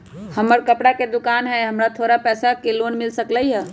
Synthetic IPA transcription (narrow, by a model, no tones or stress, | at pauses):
həməɾkəpɽaked̪ukanɦɛɦəmɾat̪ʰoɾapɛsakelonmilsəkləjɦɛ